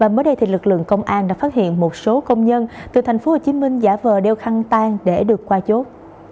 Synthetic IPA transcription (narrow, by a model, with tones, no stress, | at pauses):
vaː˨˩məː˨˦jɗə˧jt̪ʰi˨˩lɨ˨˩k̚lɨ̰˧˨əŋkə˧wŋ͡mʔaː˧nɗaː˧˥faː˦˥t̚hḭ˧˨ənmo˨˩t̚so˨˦kə˧wŋ͡mɲə˧nt̪ɨ˨˩t̪ʰjŋ̟fo˨˦ho˨˩t͡ɕi˨˦mï˧ŋ̟zaː˧˩vəː˨˩ɗe˧wxa˧ŋt̪aː˧ŋɗe˧˩ɗɨ˨˩əkːwaː˧t͡ɕo˦˥t̚